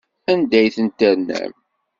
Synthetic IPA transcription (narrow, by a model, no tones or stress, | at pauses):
ænd̪æjθənt̪əɾnːæ̰m